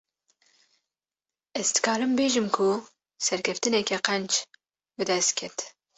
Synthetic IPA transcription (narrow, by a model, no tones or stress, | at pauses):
ɛzt̪ɨ̥kɑːɾɨmbeːʒɨmkʰʊ | sɛɾkʲʰɛft̪ɨnɛkʰɛqɛnt͡ʃ | bɨd̪ɛst̪̚kʲʰɛt̪